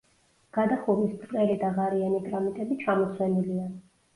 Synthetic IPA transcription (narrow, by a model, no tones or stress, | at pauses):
ɡ̥ad̪aχuɾist̪ʼqʼɛlid̪aʁaɾianiɡɾamit̪ʼɛbit͡ʃʰamɔt̪sʰwɛnilia